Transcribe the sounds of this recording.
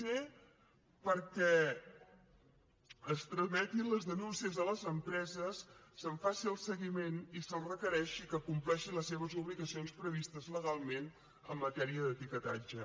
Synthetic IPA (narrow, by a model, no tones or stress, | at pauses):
e | pəɾkɛ | əst̪ɾəmɛt̪inləzðənunsiəzələzəmpɾɛzəsːəɱfasiəlˠsəɣimenisənrəkəɾɛʃikəkumplɛʃinləsːeβ̞əzuβliɣəsionspɾəβist̪əzləɣalˠmen | əmːət̪ɛɾiəðət̪ikət̪a̰d͡ʒə